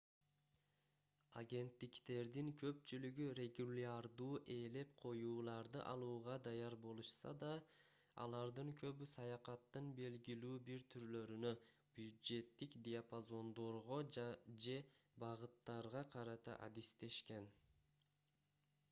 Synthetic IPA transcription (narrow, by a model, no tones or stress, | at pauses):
a̰ɡʲe̞nt̪ːikt̪e̞ɾd̪iŋkʰø̞pt͡ʃylyɡyrʲe̞ɡulʲaɾd̪uːʔe̞ːle̞p̚qʰo̞juːlˠɑɾd̪ɯʔɑlˠuːʁɑd̪ɑjɑɾbo̞lˠuʃsɑ̰d̪ɑ | ɑ̰lˠɑɾd̪ɯŋkʰø̞βysɑjɑqɑt̪ːɯnbe̞lɡilyːbiɾt̪ʰyɾlø̞ɾynø | b̥jud̪ʒe̞t̪ːikd̪ʲɪapazo̞nd̪o̞ɾʁo̞d͡ʒe̞bɑʁɯt̪ːɑɾʁɑqʰɑɾɑt̪ɑ̰ʔa̰d̪ist̪e̞ʃke̞n